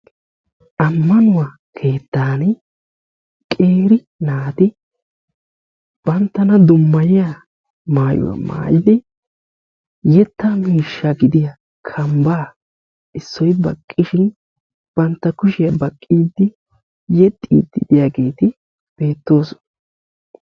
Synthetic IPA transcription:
ʔɐmːɐnʊwa | kʰe̞ːt̪ːaːn | kʼe̞ːɾɪ | naːt̪ɪ | b̥ɐnt̪ːɐnɐd̪ʊmːɐjɪja | maːjʊ̰wɐ̰ma̰ːjɪd̪ɪ | jɛt̪ːɐmiːʃːɐɡɪd̪ɪjɐ | kʰɐmbaː | ɪsːɔjbɐkʼːɪʃɪn | b̥ɐnt̪ːɐkʊʃɪjɐbɐkʼːiːd̪ɪ | jɛt̪ʼːḭːd̪ːɪd̪ɪjaːɡe̞ːt̪ɪ | b̥e̞ːt̪ːo̞ːsɔn

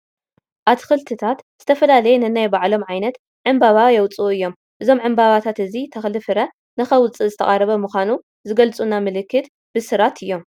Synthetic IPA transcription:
ʔat̪kɨlt̪ʰɨt̪ʰat̪z̥ɨt̪ʰɐfɐlalɐjenɨnajbaʕlo̞mʕajnɐt̪ | ʕɨmbaβajɛwt͡sʼuɨjːo̞m | ʔɨzo̞mʕɨmbaβat̪ʰat̪ɨzit̪ʰɐxlɨfɨɾɐ | nɨxɐwt͡sʼɨzɨt̪ʰɐ̰χʼaɾɐβɐmɨxʷanu | zɨɡɐlt͡sʼunamɨlɨkːɨt̪ | b̥ɨsɨɾat̪ʰɨjːo̞m

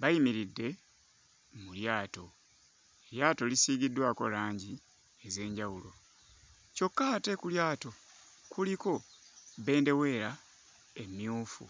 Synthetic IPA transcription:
βajimiɾidːe̞ | muljaːto̞ | eljaːto̞lisiːɡidːwaːko̞̰laːɲɟi | eze̞ːɲɟawulo̞ | co̞kːate̞kuljaːto̞kuliko̞βe̞ːnde̞we̞ɾa | e̞mjuːfṵ

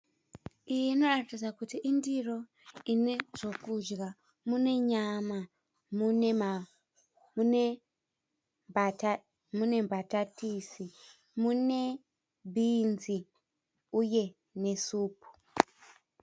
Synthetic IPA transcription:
ijiino̞ratid͡zakutiʔindiro̞ | ineʐ̥o̞kud͡ʒɡa | mune̞ɲama | mun | mune̞mbatatisi | mune | bʱinzi | uje̞ | ne̞suːpu̥

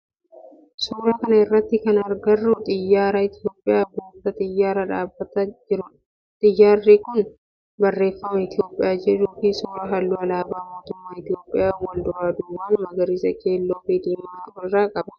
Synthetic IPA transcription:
suːɾɐkɐnɐɪrːɐt̪ːɪkɐnɐɾɡɐrːʊt̪ʼɪjːaːɾɐɪt̪ɪjo̞ːpʼːɪjaːboːd̪ɐt̪ʼɪjːaːɾɐᶑaːbːɐt̪ɐɪɾʊ | t̪ʼɪjːaːrːikʊn | bɐrːe̞ːfːɐmɐɪt̪ɪjo̞ːpʼːɪjaːd͡ʒɛᶑuːfɪsuːɾɐɦɐlːuːɐlaːbaːmo̞ːt̪ʊmːaːɪt̪ɪjo̞ːpʼːɪjaːwɐld̪ʊɾaːd̪uːwaːnmɐɡɐɾiːsɐke̞ːlːo̞ːbeːd̪iːmmaɪrːaːkʼɐbɐ̥

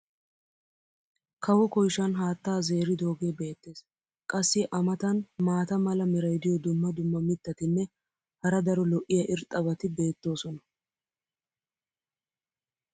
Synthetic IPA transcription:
kʰɐwɔkɔjʃɐnɦaːt̪ːaːze̞ːɾɪd̪oːɡe̞ːbe̞ːt̪ːe̞ːs | kʼɐsːɪʔɐmɐt̪ɐnmaːt̪ɐmɐlɐmɪɾɐjd̪ɪjɔd̪ʊmːɐd̪ʊmːɐmɪt̪ːɐt̪ɪnːɛ | hɐɾɐd̪ɐɾɔlɔʔːɪjɐʔɪɾt̪ʼːɐbɐt̪ɪbe̞ːt̪ːo̞ːsɔnɐ

